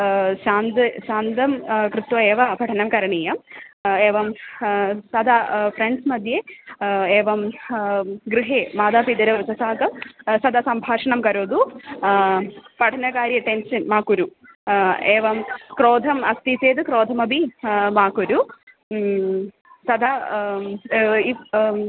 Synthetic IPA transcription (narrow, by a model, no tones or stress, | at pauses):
ɕaːnd̪ɨɕaːnd̪ɐmkɾɨt̪ʋɐeːʋɐbʱɐʈʰɐnɐmkɐɾɐɳiːjɐmeːʋɐm | sɐd̪afɾeɳɖsmɐd̪je | eːʋɐm | ɡɾɨɦeːmaːd̪apid̪ɐɾɐʋɨsɐsaːɡɐmsɐd̪ɐsɐmbʱaːʂɐɳɐmkɐɾoːd̪u | pɐʈʰɐnɐkaːɾjɐʈensɐnmaːkuɾu | eːʋɐmkɾoːd̪ʱɐmɐst̪iseːd̪ɨkɾoːd̪ʱɐmɐbʱimaːkuɾu | sɐd̪ʱɐ | i